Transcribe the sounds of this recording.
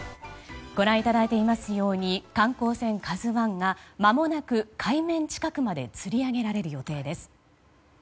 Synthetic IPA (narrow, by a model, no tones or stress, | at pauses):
ɡ̥o̞ɾãɰ̃it̪ad̪ait̪e̞imasɨjo̞ːɲ̟ikãŋko̞ːsẽ̞ŋkazɨβãŋɡamamo̞nakɯ̟kʰaimẽ̞ɲt͡ɕi̥kakɯ̟mad̪e̞̰t͡sɨɾʲiaɡe̞ɾaɾe̞ɾɯ̟jo̞t̪e̞ːd̪e̞sɨ̥